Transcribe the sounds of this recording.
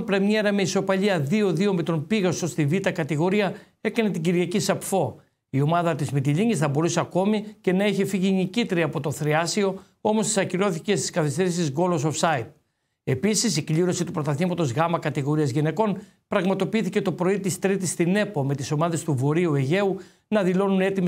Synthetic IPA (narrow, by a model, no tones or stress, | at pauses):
pɾemɲeɾɐmeiso̞pɐʎiɐðio̞ðio̞me̞t̪o̞npiɣɐso̞st̪ivit̪ɐkɐt̪iɣo̞ɾiɐ | e̞kɐne̞t̪iɟiɾʝɐcisɐpfo̞ | io̞mɐðɐt̪izmit̪̬iʎiɲisθɐbo̞ɾuse̞ɐko̞mice̞nɐiçefiʝinicit̪eɾiɐpo̞t̪oθɾiɐsio̞ | o̞mo̞st̪i̥sɐciɾo̞θice̞st̪i̥skɐθist̪e̞ɾisizɡo̞losofsɐit̪̚ | e̞pisisikliɾo̞sit̪upɾo̞t̪ɐθimɐt̪o̞zɣɐmɐkɐt̪iɣo̞ɾiɐzʝine̞ko̞n | pɾɐɣmɐt̪o̞piiθice̞t̪o̞pɾo̞it̪ist̪ɾit̪ist̪ine̞pomet̪iso̞mɐðe̞st̪uvo̞ɾiue̞ʝe̞u | nɐðilo̞nune̞t̪ime